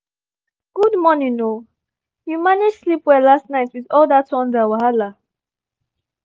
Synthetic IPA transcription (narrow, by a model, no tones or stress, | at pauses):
ɡ̥udmɔnĩŋno | jumanɪd͡ʒslipwɛlastnaɪtwiðɔldatɔ̃ndawaɦala